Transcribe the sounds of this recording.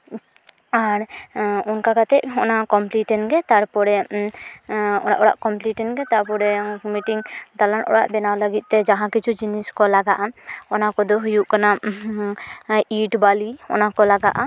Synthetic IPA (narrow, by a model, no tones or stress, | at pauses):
aɾɔnkakat̪ɛʔɔ̰nakɔmpliʈɛnɡɛt̪aɽpɔɽɛ | ɔa̰ʔɔɽa̰ʔkɔmpliʈɛnɡɛt̪aɾpɔɾɛmiʈiŋd̪alanʔɔ̰ɽa̰ʔbɛnawləɡit̪̚t̪ɛd͡ʒaɦãkit͡ʃʰud͡ʒiniskɔlaɡaʔaɔnakɔd̪ɔɦujuʔkana | iʈbaliɔ̰nakɔlaɡaʔa